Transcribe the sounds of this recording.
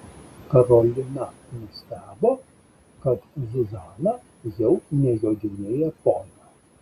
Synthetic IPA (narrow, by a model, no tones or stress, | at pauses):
kɐɾolʲɪnɐnʊsʲt̪ʲæːbo | kɐt̪zʲɪzɑːnɐ | jɛʊnʲɛjod̪ʲɪnʲeːjɛpoːnɐ